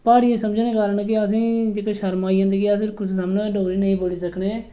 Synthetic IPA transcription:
paːɽiːẽːsəmd͡ʒneːkaːɾəɳk̬ɪəs̬ĩːd͡ʒeːkeʃəɾmaːiːɦə̃nd̪əɡiəsɪɾkʊsʰsamnãːeːɖoːɡɾiːnəĩːboːliːsəkɳeː

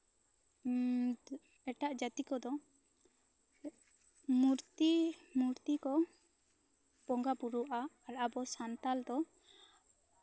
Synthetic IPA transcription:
ɛʈaʔd͡ʒat̪ikɔd̪ɔ | muɾt̪imuɾt̪ikɔ | pɔŋɡapuɾuʔaːlʔabɔsant̪ald̪ɔ

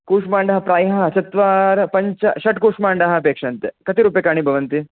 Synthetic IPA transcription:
kuːʂmaːɳɖɐɦɐpɾaːjɦɐɦt͡ʃɐt̪ʋaːɾɐpɐɲt͡ʃɐʃɐʈkuːʂmaːɳɖɐɦɐɐpeːkʂɐːnt̪ekɐt̪iɾuːpjekaːɳ̃ibʱɐʋɐnt̪i

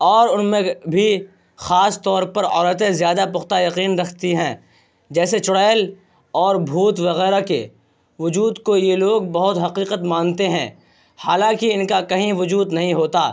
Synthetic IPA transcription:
ɔːɾʊnmẽbʱi | xaːst̪ɔːɾpɐɾɔːɾət̪ẽzjaːd̪apʊxt̪ajɐqiːnɾɐkʰt̪iɦɛ̃ː | d͡ʒɛːset͡ʃʊɽaːɪl | ɔːɾbʱuːt̪ʋɐɣɛːɾakḛ | ʋʊd͡ʒuːd̪kojeloːɡbɐɦʊt̪ɦɐqiːqət̪mãːnt̪eɦɛ̰̃ | haːlãːkiɪnkakɐɦĩʋʊd͡ʒuːd̪nɐɦĩɦoːt̪aː

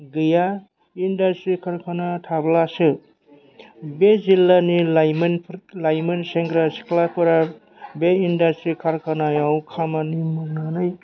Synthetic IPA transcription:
ɡɯja | indastɾikʰaɾkʰanatʰablasɯ | bezilːaniljmnlajmenseŋɡɾasi̥kʰlakʰɯɾa | beindastɾikʰaɾkʰanajawkʰamanimɯɾnanɯj

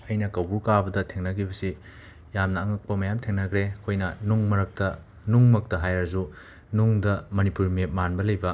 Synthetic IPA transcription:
ɐjnɐkɐwbuɾkabɐdɐtʰeŋnɐɡibɐsi | jamnɐːŋɐk̚pɐmɐjamtʰeŋnɐkɾekʰojnɐnuŋmɐɾɐk̚tɐ | nuŋmɐk̚tɐɦajɾɐzu | nuŋdɐmɐnipuɾmiet̚manbɐlɐjbɐ

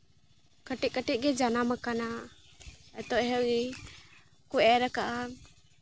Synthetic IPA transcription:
kaʈɛkaʈɛc̚ɡɛd͡ʒanamakana | ɛt̪ɔʔɦɛi | kuʔɛɾakaʔa

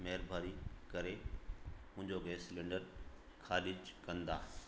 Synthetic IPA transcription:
meɦəɾbʱaːɾikɐɾe | mʊ̃ɦɪ̃ɲd͡ʑoɡeːslẽːɳɖəɾ | kʰaːlɪd͡ʑkɐ̃nd̪a̰ː

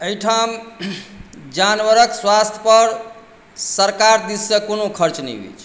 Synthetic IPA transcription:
əiʈʰam | d͡ʒanwəɾəkswast̪ʰjə̥pəɾ | səɾkaɾd̪isːəkonokʰəɾt͡ʃnɛ̰bḛt͡ʃʰ

